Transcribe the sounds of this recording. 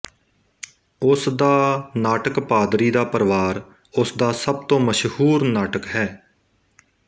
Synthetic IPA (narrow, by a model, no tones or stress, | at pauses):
ʊsd̪aːnaːʈəkpaːd̪ɾiːd̪aːpəɾʋaːɾ | ʊsd̪aːsəb̚t̪õːməʃhuːɾnaːʈəkɦɛː